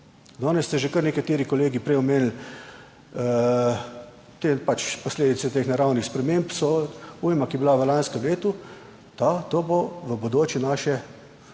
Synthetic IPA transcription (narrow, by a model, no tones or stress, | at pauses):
d̪ɔːnɛst̪ɛʒekəɾnɛkat̪eːɾikɔleːɡipɾɛjɔmeːnl̩ | t̪epat͡ʃpɔsleːd̪it̪sɛt̪eːxnaɾawnixspɾɛmempsɔujmakibilaʋəlanskɛmleːt̪u | t̪at̪oːboʋəbod̪oːt͡ʃjɛnaːʃɛ